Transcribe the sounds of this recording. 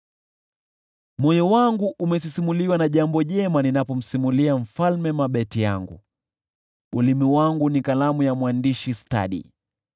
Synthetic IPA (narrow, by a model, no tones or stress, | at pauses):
mɔjɔwaŋɡuʔumɛs̬isimuliwanaʄambɔʄɛmaninapɔm̩simuliam̩falmɛmaɓɛtija̰ŋɡṵ | ɓulimiwaŋɡunikalamujamwandiʃista̰ɗḭ